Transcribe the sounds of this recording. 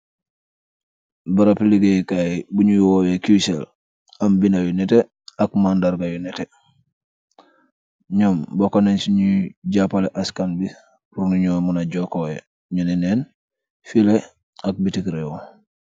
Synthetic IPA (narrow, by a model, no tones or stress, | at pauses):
baɾapiliɡejkajbuɲujwowekusel | ambinajunɛte | akmandaɾɡajunɛte | ɲombokoneːnsiɲuɟapaleʔaskanbi | ɾunuɲomunaɟokoe | ɲunineːn | file | ak̚bitikɾewo